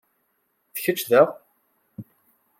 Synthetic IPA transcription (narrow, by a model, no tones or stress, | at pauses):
θə̥çət͡ʃːðæʁ